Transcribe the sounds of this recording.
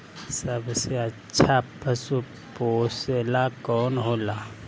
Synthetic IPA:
sɐbseɐtːʃʰapəsu | poːselakɔːnɦoːlaː

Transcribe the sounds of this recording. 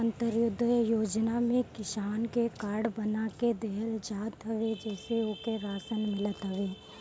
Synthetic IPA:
ə̃nt̪əɾjʊd̪ʱːəjoːd͡ʒnamẽkɪʃaːnkekaːɾɽbɐnaked̪ɛɦəld͡ʒaːt̪ɦəʋed͡ʒɛːseʊkeɾaːsənmɪlət̪ɦɐʋeː

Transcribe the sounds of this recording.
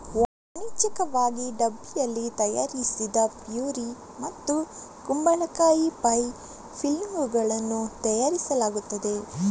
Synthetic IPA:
nit͡ʃɐkɐʋaːɡiɖɐbːijɐlːit̪ɐja̰ːɾisid̪ɐpjuːɾi | mɐt̪ːu | kumbɐɭɐkaːjipɐj | pʰilmɡuɡɐɭɐnːut̪ɐjaːɾisɐlaːɡut̪ːɐd̪e̞

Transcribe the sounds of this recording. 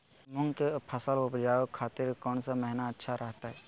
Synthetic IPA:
mʊŋɡkepʰɐsəlʊpd͡ʒaːokʰaːt̪ɪɾkɔːnsamɛɦnaətːʃʰaɾɐɦt̪aɦɛː

